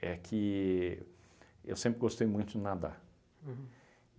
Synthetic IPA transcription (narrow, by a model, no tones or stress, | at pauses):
ɛkʰɪ | ḛwsẽmpɾɪɡost̪ejmũj̃t̪ʊd̪ɪnad̪a̰